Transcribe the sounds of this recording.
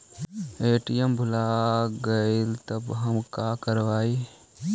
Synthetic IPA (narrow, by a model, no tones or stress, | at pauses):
eːʈijəmbʱʊlaːɡəɪlt̪ɐbɦəmkaːkəɾʋaːi